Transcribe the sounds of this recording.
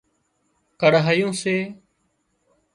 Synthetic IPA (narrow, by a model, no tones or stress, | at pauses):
kəɽɦəjõːseː